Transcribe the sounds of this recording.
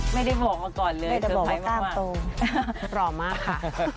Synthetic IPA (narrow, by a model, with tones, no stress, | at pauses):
ma˥˩jda˥˩jbɔː˨˩k̚maː˧kɔː˨˩nlɤː˧˦˥jda˥˩˨bɔː˨˩kʰaaː˧˦m˥laː˥˩mamː˥˩t̪oː˧ | ɾɔː˧˩maː˥˩kʰːa˥˩